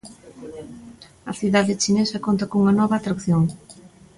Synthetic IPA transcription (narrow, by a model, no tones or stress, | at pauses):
ɐ̰θiðaðɪt͡ʃinesɐkont̪ɐkouŋɐnɔβɐːt̪ɾakθjoŋ